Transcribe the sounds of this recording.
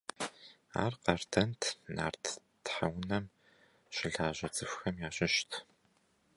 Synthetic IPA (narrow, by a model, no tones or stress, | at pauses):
a̰ːrqɑːrtʰɐntʰna̰ːrtʰ | tħawnɐm | ɕɪɮaːʑɐt͡sʼɨfxɐmjaːɕʼɪʃtʰ